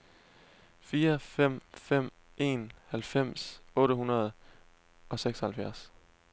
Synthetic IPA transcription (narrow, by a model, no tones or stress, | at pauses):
fiːɐfem̰fem̰ | e̝̰nhælfem̰sɔ̽ːɾəɦunɐð̞̩ˠ | ʔɒ̽seɡ̥sɒhælfjæɐs